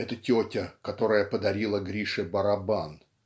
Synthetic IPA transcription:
ɛt̪ətʲotʲəkɐt̪o̞ɾəjəpəd̪ɐɾʲilˠəɡɾʲiʂɨbəɾɐban

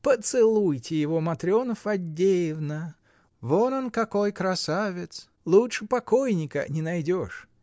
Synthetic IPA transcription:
pət̪sɨlˠujtʲɪjɪvomɐt̪ɾʲɪo̞nəfɐdʲːejɪvnə | vononkɐko̞jkɾɐsavʲɪt̪s | lˠutʂɨpɐkojnʲɪkə̰nʲɪnɐjdʲoʂ

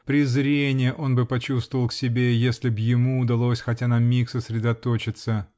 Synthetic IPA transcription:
pɾʲɪzɾʲenʲɪjəʔo̞nbɨpɐt͡ɕust̪vəvəlˠksʲɪbʲejesʲlʲɪbjɪmuːd̪ɐlˠo̞sʲxɐtʲanɐmʲiksəsɾʲɪd̪ɐt̪ot͡ɕɪt̪sə

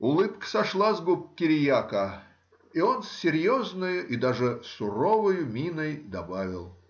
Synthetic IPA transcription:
ʊlˠɨpksɐʂlˠazɡup̚ʲkʲːɪɾʲɪjakə | ionsʲːɪɾʲjoznɨjʊʔid̪aʐɨsʊrovɨjʊmʲinəjd̪ɐbavʲɪ̰lˠ

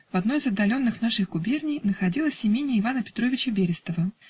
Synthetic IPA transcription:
vɐd̪nojɪzɐd̪ːɐlʲo̞nːɨxnaʂɨxɡʊbʲernʲɪjnəxɐdʲilˠəsʲɪmʲenʲːɪɪvanəpʲɪ̥t̪ɾovʲɪt͡ɕəbʲeɾʲɪst̪əvə

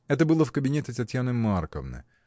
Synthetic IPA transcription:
ɛt̪əbɨlˠəfkəbʲɪnʲetʲɪt̪ɐtʲjanɨmarkə̰vnə̰j

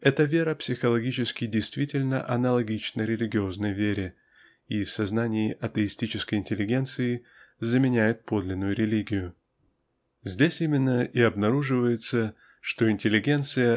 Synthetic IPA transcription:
ɛt̪əvʲe̞ɾəpsʲɪxəlˠɐɡʲit͡ɕɪskʲɪdʲɪjst̪vʲitʲɪlʲnə̰ʔɐnəlˠɐɡʲit͡ɕnəɾʲɪlʲɪɡʲɪo̞znəjvʲeɾʲɪ | ifsɐznanʲɪːʔɐt̪əɪsʲtʲit͡ɕɪskəjɪnʲtʲɪlʲːɪɡʲe̞nt̪sɨɪ | zəmʲɪnʲæjɪt̪̚po̞d̪lʲɪnːʊjʊɾʲɪlʲiɡʲɪjʊ | zʲdʲesʲimʲɪnːəʔiɐbnɐɾuʐɨvəjɪt̪sə | ʂt̪o̞ɪnʲtʲɪlʲːɪɡʲe̞nt̪sɨjə

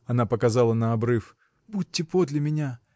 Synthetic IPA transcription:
ɐnapəkɐzɑlˠənəɐbɾɨf | but̚ʲːɪpod̪lʲɪmʲɪnʲa

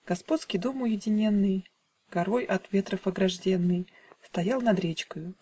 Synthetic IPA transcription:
ɡ̥ɐspo̞t̪skʲijd̪omʊjɪdʲɪnʲe̞nːɨj | ɡ̥ɐɾojɐt̪vʲe̞t̪ɾəfɐɡɾɐʐdʲenːɨj | st̪ɐjalˠnɐd̪ɾʲet͡ɕkəjʊ

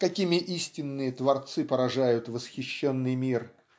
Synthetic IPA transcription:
kɐkʲimʲɪʔisʲtʲɪnːɨjət̪vɐrt̪sɨpəɾɐʐajʊt̪vəsxʲɪɕːonːɨjmʲir

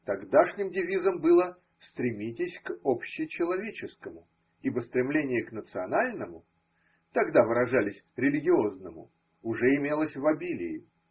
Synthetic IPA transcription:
t̪ɐɡd̪aʂnʲɪmdʲɪvʲizəmbɨlˠə | st̪ɾʲɪmʲitʲɪsʲkopɕːɪt͡ɕɪlˠɐvʲet͡ɕɪskəmʊ | ibəst̪ɾʲɪmlʲenʲɪjəknət̪sɨɐnalʲnəmʊ | t̪ɐɡd̪avɨɾɐʐalʲɪsʲɾʲɪlʲɪɡʲɪo̞znəmʊ̰ | ʊʐɛɪmʲe̞lˠəsʲvɐbʲilʲɪ̰ɪ

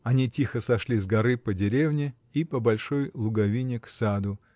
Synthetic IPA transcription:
ɐnʲitʲixəsɐʂlʲizɡɐɾɨpədʲɪɾʲevnʲɪ | ipəbɐlʲʂo̞jlˠʊɡɐvʲinʲɪksad̪ʊ

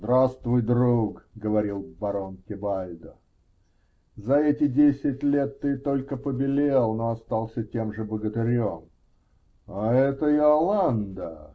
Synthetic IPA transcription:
zd̪ɾast̪vʊjd̪ɾukɡəvɐɾʲilˠbɐɾonkʲɪbalʲd̪ə | zɐɛtʲɪdʲesʲɪtʲlʲe̞t̪ːɨt̪o̞lʲkəpəbʲɪlʲelˠnoɐst̪ɑlˠsʲətʲe̞mʐɨbəɡət̪ɪɾʲom | aɛt̪əɪɐlˠand̪ə̰

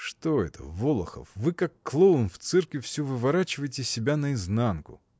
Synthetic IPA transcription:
ʂt̪oɛt̪ʰə̰volˠə̰xə̰fvɨkakːlˠoʊnft̪sɛrkvʲɪfsʲuvɨvɐɾat͡ɕɪvəjɪtʲɪsʲɪbʲanəɪznankʊ̰

